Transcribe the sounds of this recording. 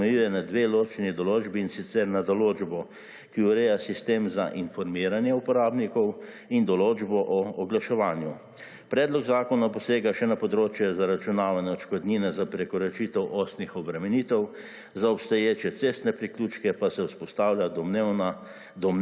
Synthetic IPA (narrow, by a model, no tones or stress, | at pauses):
ɛjujɛnad̪ʋeːloːt͡ʃnid̪ɔloːd͡ʒbiːnsit̪sɛɾnad̪ɔloːd͡ʒbɔ | kiuɾeːjasist̪eːmza̰ʔinfɔɾmiːɾanjɛupɔɾaːbnikɔw | ind̪ɔloːd͡ʒbɔʔɔɔɡlaʃɛʋaːnju | pɾɛːd̪lɔɡzaːkɔnapɔseːɡaʃɛnapɔd̪ɾoːt͡ʃjɛzaɾat͡ʃunaːʋanɛɔt͡ʃkɔd̪niːnɛzapɾɛkɔɾɛt͡ʃit̪ɛwʔost̪nixɔbɾɛmɛniːt̪ɛw | zaɔpst̪ɔjeːt͡ʃɛt̪sest̪nɛpɾikluːt͡ʃkɛpasɛwspɔst̪aːwlʲan | d̪ɔm